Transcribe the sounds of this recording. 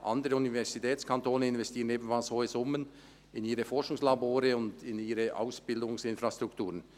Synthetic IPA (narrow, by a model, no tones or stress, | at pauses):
ʔɑndəɾəunivɛʁz̥itʰɛːt͡skʰantoːnəɪnvɛstʰiːʁəneːbən̩falshoːəsʊmən | ɪniːʁəfɔɐʃʊŋslaboːɾəʊndɪniːɾəʔa̰ʊsb̥ɪldʊŋsɪnfɾastʁ̥ʊktuːʁən